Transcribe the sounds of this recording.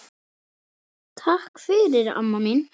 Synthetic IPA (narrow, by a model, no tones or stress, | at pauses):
t̪ʰahkfɪɾɪɾa̰mːamin